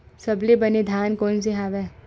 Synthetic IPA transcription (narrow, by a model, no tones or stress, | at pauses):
sɐblebɐned̪ʱaːnkoːns̬eɦaːʋɛː